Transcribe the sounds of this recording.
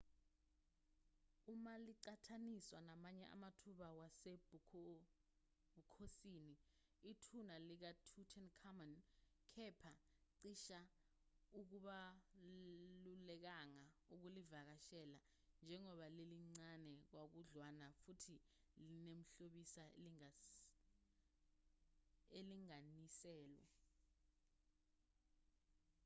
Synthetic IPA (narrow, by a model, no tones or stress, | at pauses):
umaliǀatʰaniswanamaɲɛʔa̰matʰuɓawasebu | bukʰosiːni | itʰunalik̬atʰutʰɛnkʰamankʰɛpʰaǀiʃa | uk̬uɓa | lulɛk̬aŋauk̬ulivak̬aʃɛla | nd͡ʒʱɛŋɔɓaleliŋ͡ǀanɛk̬wak̬uɮwanafutʰi | linem̩ɬoɓisal | eliŋanisɛːlwa̰